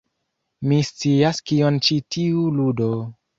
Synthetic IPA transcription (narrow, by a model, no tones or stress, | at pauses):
mist͡siaskiont͡ʃitʰiuludo